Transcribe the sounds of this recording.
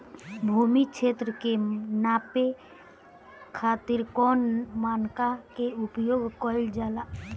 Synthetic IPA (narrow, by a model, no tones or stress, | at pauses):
bʱuːmikʃʰeːt̪ɾəkenaːpe | kʰaːt̪iɾkɔːnmaːnkakeupjoːɡkɔɪld͡ʒaːla